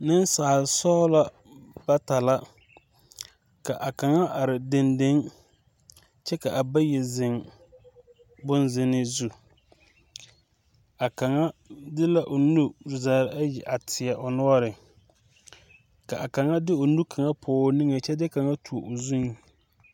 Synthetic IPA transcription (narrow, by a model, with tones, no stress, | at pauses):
nɪ˦n˦saː˨sɔː˦la˦ | b̥a˦ta˨la˦ | ka˨ʔa˨ka˨ŋa˦ʔa˨ɾɪ˨de˨nde˦ŋ | t͡ʃɛ˦ka˨ʔa˨ba˦jɛ˨zɪ˨ŋ | bʊ˦nzɪ˦nɪ˦zu˦ | a˨ka˨ŋa˦dɪ˦la˦ʔʊ˨nu˦˨zaː˨ɾa˦jɛ˨ʔa˨tʰɪ˨a˨ʔʊ˨nʊ˦ɔ˦ɾɪ˨ | ka˨ʔa˨ka˨ŋa˦dɪ˦ʊ˨nu˦kʰa˨ŋa˦pʰʊː˨˦ni˦ŋe˨t͡ʃɛ˦dɪ˦ka˨ŋa˦tu˨o˨ʔʊ˨zu˦ŋ